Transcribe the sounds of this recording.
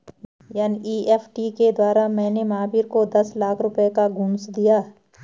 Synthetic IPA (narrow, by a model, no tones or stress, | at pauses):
jaːniʔiːepʰʈiked̪waːɾamɛ̃ːnemaːbiɾkod̪ɐslaːkʰɾʊpekaɡʊ̃nsd̪ijaː